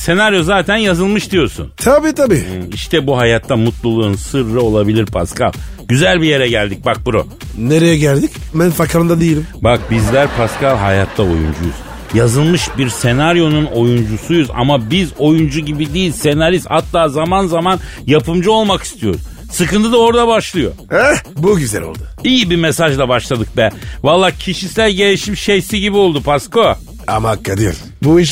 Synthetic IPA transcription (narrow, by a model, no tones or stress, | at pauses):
se̞naɾjo̞zaːt̪ʰænjazɯlˠmɯʃd̪ijo̞ɾsṵnt̪ʰabiːt̪ʰabiːiʃt̪ʰɛbuɦajat̪ʰːamut̪lˠulˠuunsɯɾːɯo̞lˠabilʲiɾpʰa̰skʰa̰lˠ | ɟyzælʲbije̞ɾɛɟælʲd̪ic̚bak̚buɾṵ | neɾejɛɟælʲd̪icbænfakʰɾɯnd̪ad̪ejilʲimbak̚bizlʲæɾpʰaskʰalˠɦajat̪ʰːao̞̰jṵnd͡ʒujṵz̥ | jazɯlˠmɯʃbiɾse̞naɾjo̞nuno̞jund͡ʒusujuza̰mabizo̞jund͡ʒuɟibid̪ijilʲse̞naɾishat̪ːaːzamanzaman | japʰɯmd͡ʒɯo̞lˠmaki̥st̪ʰijo̞̰ɾz | sɯkɯnt̪ʰɯd̪ao̞ɾd̪abaʃlˠɯjo̞̰ɛbuɟyzɛ̰lo̰lˠd̪ʊijibimesaʒd̪ˠabaʃlˠad̪ɯk̚bɛvalˠːaːcʰiʃisælʲɟe̞lʲiʃimʃejsiɟibio̞lˠd̪upʰasko | a̰makːad̪ijo̰ɾ | buiʃ